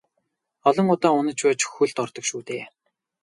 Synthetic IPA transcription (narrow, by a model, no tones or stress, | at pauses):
ɔɮɞ̆ŋʊt̪aːʊnə̆t͡ɕpaːt͡ɕxuɮt̪ɔrt̪ɞ̆kʃuːt̪eː